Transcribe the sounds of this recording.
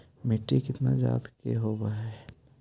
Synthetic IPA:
mɪʈːikɪt̪nad͡ʒa̰ːt̪kḛɦoːɾaɦɛː

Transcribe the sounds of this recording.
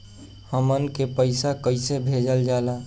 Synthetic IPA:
həmənkepəɪsakəɪsebʱed͡ʒəld͡ʒaːla

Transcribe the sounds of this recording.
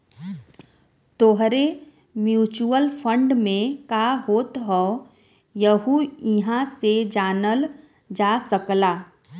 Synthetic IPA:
t̪oɦɾe | mjuːt͡ʃuəlpʰə̃ɳɖmẽkaːɦoːt̪ɦɔ | jəɦuɪɦãsed͡ʒaːnəl | d͡ʒaːsəklaː

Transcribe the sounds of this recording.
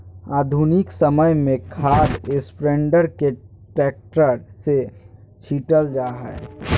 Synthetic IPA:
aːd̪ʱunɪksəməjmẽkʰaːɾɪspɾẽɳɖəɾke | ʈɛːk̚ʈəɾse | t͡ʃʰiːʈəld͡ʒaːɦɛ̰ː

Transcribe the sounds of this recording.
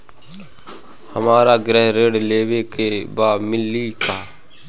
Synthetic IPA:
həmaːɾaːɡɾəɦɾeːɽleːwekebaːmɪlːiːk̪ʰaː

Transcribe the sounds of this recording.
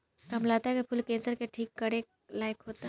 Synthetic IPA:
kɐmlaːt̪aɦkepʰʊlkẽːsəɾkeʈʰiːkːɐɾe | laːɪkɦoːt̪a

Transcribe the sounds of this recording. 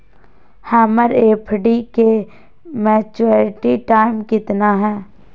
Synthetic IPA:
hɛːməɾeːpʰɖike | mɛːt͡ʃːɾɪʈiʈaːɪmkɪt̪naɦɛ̃ː

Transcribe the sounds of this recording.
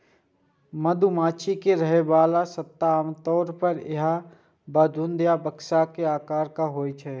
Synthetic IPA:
mɐd̪ʱumaːt͡ʃʰikeɾɐɦeʋaːlasət̪ːaːmt̪ɔːɾpəɾɪ̰ɦa | baːd̪ʱʊnd̪jabɐkʃakeaːkaːɾkaɦoːit͡ʃʰɛː

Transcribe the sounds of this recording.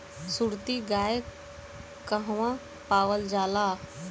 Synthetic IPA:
suɾt̪iɡaːje | kəɦʋã | paːʋəld͡ʒaːlaː

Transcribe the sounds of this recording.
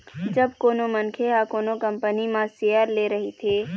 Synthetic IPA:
d͡ʒɐbkoːnomɐnkʰeɦaːkoːnokɐ̃mpənimãseːjəɾleːɾɐɦit̪ʰeː

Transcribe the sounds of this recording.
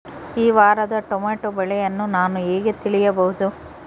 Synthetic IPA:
iːʋaːɾɐd̪ɐʈomaːʈobɛɭɛjɐnːunaːnueːɡet̪iɭijɐbɐɦud̪u

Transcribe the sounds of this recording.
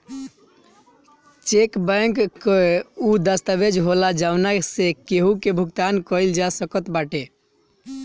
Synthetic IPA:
t͡ʃekbəŋkkːeud̪əst̪abed͡ʒɦolad͡ʒawnasekeɦũkebʱuɡt̪ankəld͡ʒasəkət̪baʈe

